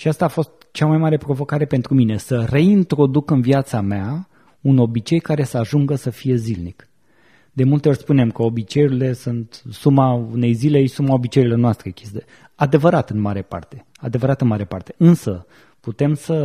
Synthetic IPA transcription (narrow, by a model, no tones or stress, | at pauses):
ʃiast̪aːfo̞st̪t͡ʃamajmaɾe̞pɾo̞vo̞kaɾe̞pe̞nt̪ɾuminesəre̞int̪ɾo̞d̪ukɨnviat̪samea | uno̞bit͡ʃe̞jkaɾe̞səaʒuŋɡəsəfije̞zilnik | d̪e̞mult̪eo̞rʲspune̞mkəo̞bit͡ʃe̞juɾile̞sunt̪sumaune̞jzile̞isumao̞bit͡ʃejilo̞rnoast̪ɾekʲisd̪e | ad̪e̞vəɾat̪ɨnmaɾepa̰rt̪e̞̥ | ad̪e̞vəɾat̪ɨnmaɾepart̪e̞ɨnsə | put̪e̞msə